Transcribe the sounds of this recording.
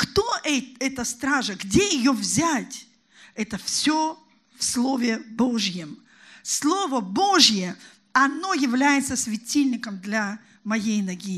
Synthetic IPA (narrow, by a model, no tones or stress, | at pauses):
kt̪oʔɛɛt̪əst̪ɾaʐəɡdʲejɪjovzʲætʲ | ɛt̪əfsʲo | fslˠo̞vʲɪbo̞ʐjɪm | slˠovəboʐjə | ɐno̞jɪvlʲæjɪt̪səsʲvʲɪtʲilʲnʲɪkəmd̪lʲɐ | mɐjejnɐɡʲi